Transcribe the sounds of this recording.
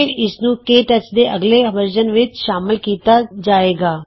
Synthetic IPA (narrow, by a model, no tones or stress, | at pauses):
ɪɾɪsnũːkeːʈət͡ʃd̪eːʔəɡleːʋəɾd͡ʒənʋɪt͡ʃʃaːmɪlkiːt̪aːd͡ʒaːeːɡaː